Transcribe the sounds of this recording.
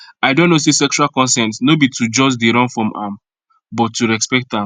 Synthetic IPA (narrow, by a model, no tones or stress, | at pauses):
aɪdõnːos̬esɛkt͡ʃualkɔ̃nsɛ̃ntnobitud͡ʒɔsdeɾɔ̃nfɹɔ̃mʔã̰m | bɔtːuɹɛkspɛk̚tãm